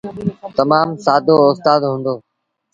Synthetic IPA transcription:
t̪ɐmaːmsaːd̪ʱoːʊst̪aːd̪ɦũːnd̪oː

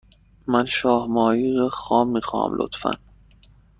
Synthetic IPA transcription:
mænʃɒːhmɒːjiːɾɒxɒːmːiːxɒːhæ̰mlʔo̰t̪fæ̰n

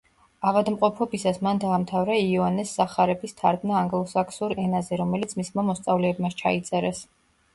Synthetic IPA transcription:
aʁad̪mqʼɔpʰɔbisasmand̪aːmt̪ʰavɾaiɔanɛsːaχaɾɛbist̪ʰaɾd̪naːŋɡlˠɔsakʰsuɾɛnazɛɾɔmɛlit̪sʰmismamɔst̪sʼavlɛːbmaʃt͡ʃʰa̰it̪sʼɛɾɛs

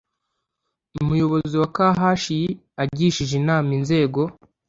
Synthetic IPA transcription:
umujo̞βo̞ziwakaɦaʃiji | aɟiːʃiʒinaːminze̞ːɡo̞

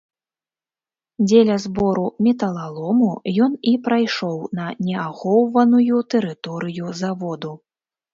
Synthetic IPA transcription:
d͡zʲelʲɐzbɔɾumʲɛt̪ɐlˠalˠɔmujɔnipɾajʂɔwnɐnʲɛaxɔwvɐnujut̪ɛɾɨt̪ɔɾɨjuzavɔd̪u

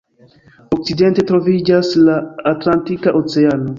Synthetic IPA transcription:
ok̚t͡side̞nte̞tɾo̞vid͡ʒaslaːtlantikaʔot͡seano̞

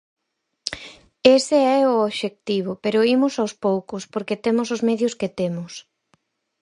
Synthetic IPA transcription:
eseɛʊoβʃek̚t̪iβ̞ʊpeɾʊimʊsawspowkʊspoɾket̪emʊsʊzmɛðjʊsket̪emʊs

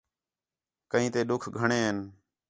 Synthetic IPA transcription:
kəɦĩːt̪eːɗʊkʰɡʱəɳeːɦən

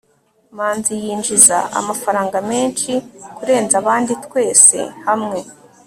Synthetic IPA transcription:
maːnzijiːnd͡ʒiza̰a̰mafaɾaːŋɡame̞ːnʃikuɾe̞ːnzaβaːnditkwe̞ːse̞̰hamŋe̞

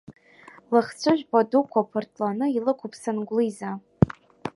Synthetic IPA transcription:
lɨχt͡sʷʰʊʒʷᶣpʰadukʷʰapʰortʰlanɨilɨkʷʰupʰsanɡʷliza

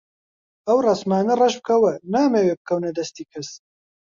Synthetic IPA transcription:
ɐwrɐsmaːnɐrɐʃb̚kʰɐwɐnaːmeːweːb̚kʰɐwnɐd̪ɐst̪iːkʰɐs

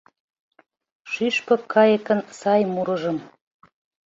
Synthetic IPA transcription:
ʃyʃpɤ̆kʰːɑjə̆kə̆nsɑjmuɾɤ̆ʒə̆m

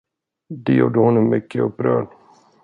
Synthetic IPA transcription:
d̪ɛjṵːɖəhʊnːɔmːʏkːəɵpːɾœ̰ːɖ

